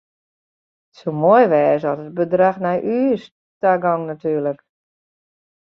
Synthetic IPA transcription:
somojʋɛːsɔtət̚bədraxnajʔyːs | taɡɔŋnatyːrlək

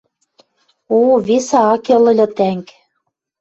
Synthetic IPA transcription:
oβesɑɑkĕlɤ̆lʲɤ̆t̪æŋk

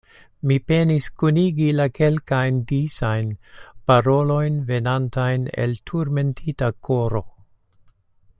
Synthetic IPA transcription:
mipe̞niskuniɡilake̞lkajndisajnpaɾo̞lo̞jnve̞nantajne̞̰ltʰuɾme̞ntʰitakʰo̞ɾo̞

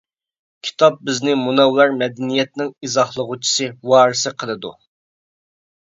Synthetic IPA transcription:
kʲʰi̥t̪ʰɑp̚bɪznɪmunɑwlˠɑɾmɛd̪ɛnijɛt̪̚nɪŋizɑχlˠəʁut͡ʃʰi̥sɨwɑːɾɨsɨqʰəlˠɨd̪ṵ

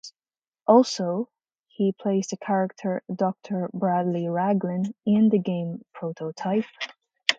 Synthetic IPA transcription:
ʔɔlˠsoʊ | hipʰl̥eɪstəkʰæɹɪk̚tʰə˞dɔk̚tʰə˞bɹadˡliɹæɡlɪ̃nɪ̃nðɨɡẽɪ̃mpʰɹ̥oʊɾoʊtʰaɪp̚

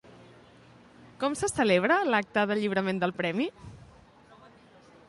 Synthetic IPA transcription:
kɔmsəsəleβ̞ɾəlak̚t̪əðəʎiβɾəmend̪əlˠpɾɛmi

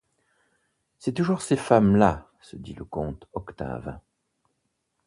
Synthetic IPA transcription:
sɛt̪uʒuʁsefamla | səd̪iləkɔ̃t̪ɔkt̪a̰v

